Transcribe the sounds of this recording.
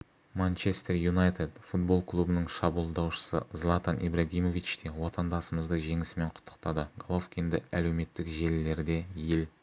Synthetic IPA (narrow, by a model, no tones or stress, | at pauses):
mant͡ʃest̪erjunajt̪ed̪fut̪̚bo̞lˠklˠubənəɴʃɑbulˠd̪ɑwʃə̥sə̰zlˠat̪ɑnʔḭbraɡʲijmo̞vit͡ʃt̪ʰewo̞t̪ɑnd̪ɑsəməzd̪əʒe̞ŋɪsɪme̞ɴqʰʊ̥t̪ʰːə̥qt̪ɑd̪əɡolˠofkʲend̪ɪæle̞wme̞t̪ːɪkʒe̞lɪle̞ɾd̪e̞je̞l